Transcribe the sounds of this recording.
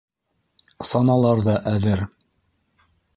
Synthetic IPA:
sɑnɑlˠɑɾðɑʔæðɘɾ

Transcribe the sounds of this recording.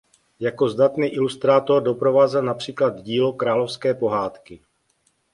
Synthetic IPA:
jako̞zd̪at̪niːʔɪlust̪ɾaːt̪o̞rdo̞pɾo̞vaːzɛlnapr̝̥iːklad̪ɟiːlokɾaːlo̞fskɛːpo̞ɦaːt̪kɪ

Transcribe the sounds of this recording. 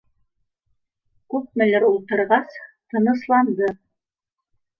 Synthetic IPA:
kʉp̚mɘ̆læɾulˠt̪ɤ̆ɾʁɑst̪ɤ̆nɤ̆slˠɑnd̪ɤ

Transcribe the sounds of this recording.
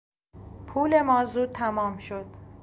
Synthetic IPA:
pʰuːle̞mɒːzuːd̪̚t̪ʰæmɒːmʃod̪̥̚

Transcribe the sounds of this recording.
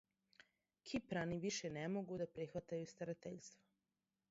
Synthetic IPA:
kʰipɾaniʋiʃenemoɡud̪apɾixʋat̪ajust̪aɾat̪eʎst̪ʋo

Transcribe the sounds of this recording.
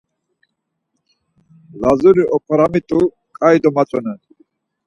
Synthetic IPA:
lazuɾiʔɔpʰaɾamit̪ʼu | kʼajd̪ɔmat͡sʼɔnɛn

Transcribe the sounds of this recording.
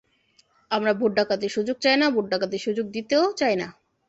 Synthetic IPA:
amɾabʱoʈɖakat̪eʃud͡ʑoɡ̚t͡ɕajnabʱoʈ̚ɖakat̪eʃud͡ʑoɡ̚d̪it̪eot͡ɕajna

